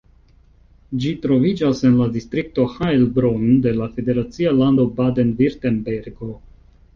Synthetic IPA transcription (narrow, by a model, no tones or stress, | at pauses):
d͡ʒitɾo̞vid͡ʒase̞nladistɾik̚to̞haelbɾonde̞lafe̞de̞ɾat͡sialando̞bade̞nviɾtenbeɾɡo̞